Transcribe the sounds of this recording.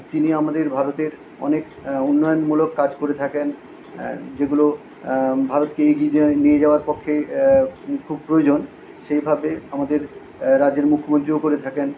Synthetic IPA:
t̪iniamad̪eɾbʱaɾot̪eɾ | ɔ̰nek | unːɔjonmulokːad͡ʑkoɾet̪ʰaken | d͡ʑeɡulo | bʱaɾot̪keeɡinied͡ʑaoaɾpɔkʰːe | kʰub̚pɾojod͡ʑon | ʃejbʱabeamad̪eɾ | ɾad͡ʑeɾmukʰːomont̪ɾiokoɾet̪ʰaken

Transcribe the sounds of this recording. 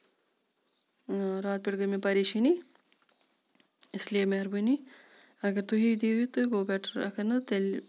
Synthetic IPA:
ɾaːt̪̚piɽɡəmẽpɐɾiːʃini | ɪsliemeɦɐɾbɐni | ɐɡəɾt̪uɦid̪iːit̪ɨɡoːbɛːʈʰəɾɐ̰kʰɐnɐt̪el

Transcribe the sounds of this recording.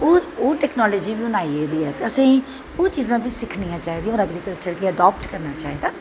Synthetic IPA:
oːoːʈɛːknɔːlɔːd͡ʒiːbiːʊnaːieːd̪iːɛːt̪eəsĩː | oːt͡ʃiːzãːpɪt͡ʃsɪkʰnijãːt͡ʃaːiːd̪ĩãɔːɾəɡɾiːkəlt͡ʃəɾkiəɖɔːpʈkəɾnaːt͡ʃaːɦiːd̪aː

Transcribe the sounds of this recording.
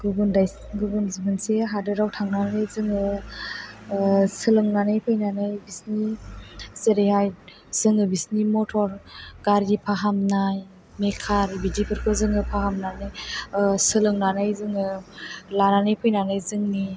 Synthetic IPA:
ɡɯbundajs | ɡubunzibɯnseɦadɯɾawtʰaŋnannɯjzɯŋɯ | sɯlɯŋnanɯjpʰɯjnanɯjbisni | seɾeɦaj | z̥ɯŋɯbisnimɔtʰɔɾɡ̥aɾɡipʰaɦamnaj | mekʰaɾbidipʰɯɾkʰɯzɯŋɯpʰaɦamnanɯjsɯlɯŋnanajzɯŋɯlananɯjpʰɯjnanɯjzɯŋni

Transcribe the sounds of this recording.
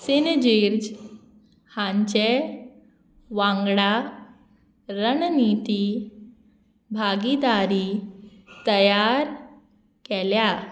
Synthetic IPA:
sind͡ʑiɾd͡ʑ | hãɲt͡ɕe | ʋãŋɡɽa | ɾənnit̪i | bʱaɡid̪aɾi | t̪əjaɾ | kɛlja

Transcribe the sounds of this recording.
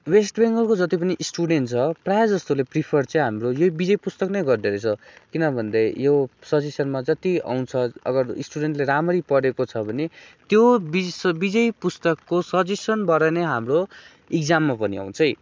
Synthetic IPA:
wesʈbeŋɡʌlkod͡zʌt̪ip̬ʌniʔisʈuɽeɳʈt͡sʰʌprajd͡zʌst̪olepripʰʌrt͡sʌĩɦamrojobid͡zʌjpust̪ʌknʌjɡʌrd̪eɾet͡sʰʌkinʌbʱʌnd̪ʌjjosʌd͡zisʌnmad͡zʌt̪ia̰w̃nt͡sʰʌʌ̰ɡʌrisʈuɽeɳʈleɾamʌɾipʌɽekot͡sʰʌbʱʌnet̪jobisbid͡zʌjpust̪ʌkːosʌd͡zisʌnbʌɾʌneɦamro | ikd͡zamːapʌnḭa̰w̃nt͡sʰʌj

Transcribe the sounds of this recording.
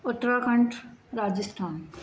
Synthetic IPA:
ʊt̪ɾakʰə̃ɳʈɾaːd͡ʒəsʈʰaːn

